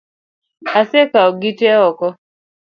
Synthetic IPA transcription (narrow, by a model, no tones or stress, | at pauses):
asekaɔɡitɛaɔkɔ